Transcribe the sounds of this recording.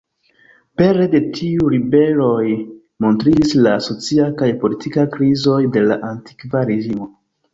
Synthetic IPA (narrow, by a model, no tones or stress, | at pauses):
pe̞ɾe̞de̞tʰiuɾibe̞ɾo̞j | mo̞ntɾidislaso̞t͡siakajpo̞litʰikakɾizo̞jde̞la̰ʔanti̥kvaɾe̞ɡimo̞